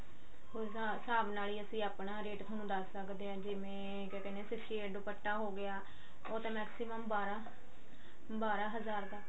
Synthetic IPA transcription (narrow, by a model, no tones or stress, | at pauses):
ɦoːɾa | saːbnaːliːəsĩːaːpɳaːɾeːʈt̪ʰənũːd̪əsːəkd̪eːãːd͡ʒɪmẽː | kɛːkɛːneːsɪsʰʈiːeːɖupəʈːaːɦoːɡɪaː | oːt̪ẽːmɛːksɪməmbaːɾaː | baːɾaːɦəzaːɾd̪aː